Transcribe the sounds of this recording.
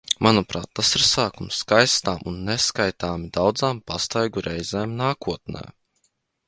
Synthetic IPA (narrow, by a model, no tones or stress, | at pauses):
mʔanupɾa̰ːt̪ːasiɾsaːkumskajst̪aːmʔunːɛskajt̪aːmid̪awd̪zaːmpast̪ajɡuɾɛjzeːmnaːkuɔt̪̚nɛ̰ː